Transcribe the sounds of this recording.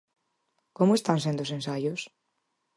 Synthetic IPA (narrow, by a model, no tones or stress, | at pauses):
komoest̪ans̬end̪osẽnsaʝos